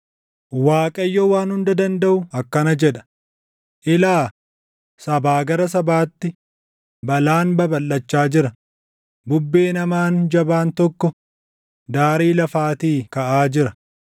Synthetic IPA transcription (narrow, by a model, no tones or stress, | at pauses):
waːkʼɐjːɔwaːnhʊnd̪ɐd̪ɐnd̪ɐʔʊɐkːɐnɐd͡ʒɛᶑɐ̥ | ʔɪlaː | sɐbaːɡɐɾɐs̬ɐbaːt̪ːɪ | bɐlaːnbɐbɐlːɐt͡ʃːaːd͡ʒɪɾɐ | bʊbːe̞ːnɐmaːnd͡ʒɐbaːnt̪ɔkːɔ | d̪aːɾiːlɐfaːt̪iːkɐʔaːd͡ʒɪɾɐ